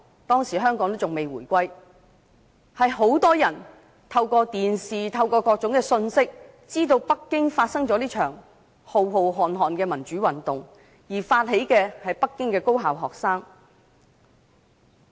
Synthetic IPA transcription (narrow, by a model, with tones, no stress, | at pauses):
t̪ɔː˥ŋsiː˨˩ɦœː˥ŋkɔː˨˥ŋt̪o˥t͡sʊ˨ŋme˨jwuː˨˩jkʷɐ˥j | hɐ˨jɦo˨˥wt̪ɔː˥jɐ˨˩n | t̪ʰɐ˧wkɔː˧t̪iː˨nsiː˨t̪ʰɐ˧wkɔː˧kɔː˧k̚t͡sʊ˨˥ŋkɛː˧sɵ˧nsɪ˥k̚ | t͡siː˥t̪o˧wpɐ˥kːɪ˥ŋfaː˧t̚sɐ˥ŋt͡sɔː˨˥liː˥t͡ʃʰœː˨˩ŋ | ho˨wɦo˨wɦɔː˨nɦɔː˨nkɛː˧mɐ˨˩nt͡ʃyː˨˥wɐ˨nt̪ʊ˨ŋ | jiː˨˩faː˧t̚he˨˥jkɛː˧hɐ˨jpɐ˥kːɪ˥ŋkɛː˧ko˥wɦaː˨wɦɔː˨k̚saː˥ŋ